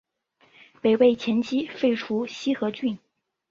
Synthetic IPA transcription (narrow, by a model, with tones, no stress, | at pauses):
pe˨˩ɪwe˥˩ɪt͡ɕʰjɛ˧˥nt͡ɕʰi˥fe˥˩ɪʈ͡ʂʰu˥ɕi˥xɤ˧˥t͡ɕy˥˩n